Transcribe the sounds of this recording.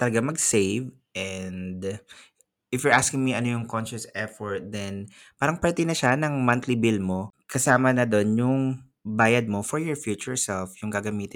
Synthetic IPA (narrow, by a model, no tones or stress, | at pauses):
t̪ɐlɐɡamɐɡsejv | ʔɛnd̪ | ʔɪfjʊɹʔaskɪŋmiʔɐnojʊŋkonʃɐsɛfɔɹt̪̚d̪ɛn | paːɾɐŋpɛɹt̪ɛnɐʃanɐŋmɐnt̪libɪlmo̞kɐsaːmɐnɐd̪o̞njʊŋ | baːjɐd̪̚mo̞fɔɹjɔɹfjut͡ʃʊɹsɛlfjʊŋɡɐɡɐmiːt̪ɪ